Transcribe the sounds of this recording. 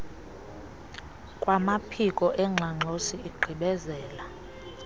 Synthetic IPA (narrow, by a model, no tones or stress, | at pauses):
kʼwamapʰikʼɔʔɛŋ͡ǁʱaŋ͡ǃʱosiːɡ͡ǃʱiɓɛzɛːla